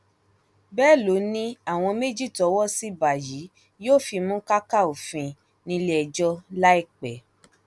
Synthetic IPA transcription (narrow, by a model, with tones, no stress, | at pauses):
bɛː˦˨lo˨˦nĩ˧a˦˨w̃ɔ̃˧me˦d͡ʒi˦˨tɔ˨˦wɔ˦si˦ba˨ji˨˦ | joː˦˨fi˧mũ˦ka˦ka˦˨o˨fĩ˧ | nĩ˧le˦ɛ˧d͡ʒɔ˦la˦i˦˨k͡pɛ˨˦